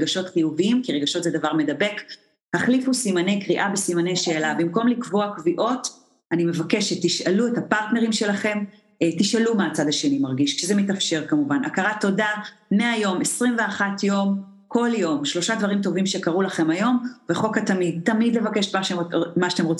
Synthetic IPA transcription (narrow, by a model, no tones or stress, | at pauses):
ɡaʃo̞tχijuviimkiʁeɡaʃo̞tzedavaʁme̞dabe̞k | haχlifusimane̞jkʁiʔabesimane̞jʃe̞ːlabimko̞mlikvoakviʔo̞t | anime̞vake̞ʃet̪ːiʃaluetapaʁtne̞ʁimʃe̞laχe̞m | tiʃalumaːt͡sad̪aʃenimaʁɡiʃkʃezemetafʃe̞ʁkamuvana̰kaʁato̞dameajo̞mesʁimve̞aχatjo̞m | ko̞ljo̞mʃlo̞ʃad̪vaʁimt̬o̞vimʃe̞kaʁulaχe̞majo̞mveχo̞katamid̚t̪amidle̞vake̞ʃmaʃemaaat̪emʁot͡s